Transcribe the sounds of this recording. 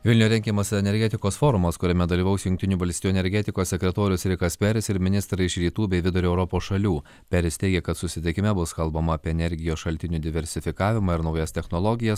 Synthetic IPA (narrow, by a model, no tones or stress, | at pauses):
ʋʲɪlʲnʲuːɾʲɛŋʲkʲiɛmɐsʲɛnʲɛɾʲɡʲɛt̪ʲɪkoːsfoːɾʊmɐskʊɾʲɛmʲɛd̪ɐlʲiːʋɐʊsjʊŋk̚ʲt̪ʲɪnʲuːbɐlʲst̪ʲiːjuɛnʲɛɾʲɡʲɛt̪ʲɪkoːssʲɛkʲɾʲɛt̪oːɾʲʊsɾʲɪkɐsʲpʲɛɾʲɪsɪɾmʲɪnʲɪst̪ɾɐɪʃɾʲiːt̪uːbʲɛɪʋʲɪd̪ʊɾʲuɛʊɾɔpoːsʃɐlʲuː | pʲɛɾʲɪst̪ʲɛɪɡʲɛkɐt̪sʊsʲɪt̪ʲɪkʲɪmʲɛbʊskɐlˠbɐmɐːpʲiːɛnʲɛɾʲɡʲɪjoːsʃɐlʲt̪ʲɪnʲuːd̪ʲɪʋʲɛɾʲsʲɪfʲɪkɑːʋʲɪmɑːɪɾnɒʊjɛst̪ʲɛxnɔlˠɔɡʲɪjɛs